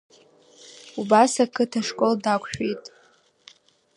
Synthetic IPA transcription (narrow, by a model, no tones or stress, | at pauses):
ubasakʰɨtʰaʂkʼoldakʷʰʼħᶣejtʼ